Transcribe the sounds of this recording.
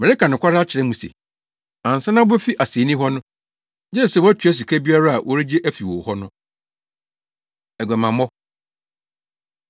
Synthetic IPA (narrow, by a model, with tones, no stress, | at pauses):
mɛ˨ɾe˦ka˨nʊ̃˨kʰʷa˦ɾa˦a˦t͡ɕʰɪ˨ɾɛ̃˦mũ˨sḛ˨ | ã˨n̩˨sa˦nã˦ɛ˦fi˦ʔa˨se˨˦nĩ˦ɦɔ˦nʊ̃˦ | d͡ʑɛ˦˨sɛ˦˨wɔ˦æ˦tʰᶣɥɛ˦s̬i˨kʰæ˦bi˦a˦ɾa˦a˨wʔɔ˦ɾi˦d͡ʑe˦ʔæ˦fi˨wɔ˨hɔ˦nʊ̃˦ | ɛ˨ɡɛ˨mã˨mɔ˦